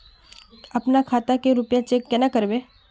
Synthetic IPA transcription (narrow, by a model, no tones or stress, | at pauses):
ɐpnakʰaːt̪akeɾʊpjãt͡ʃeːkːɛnakəɾbe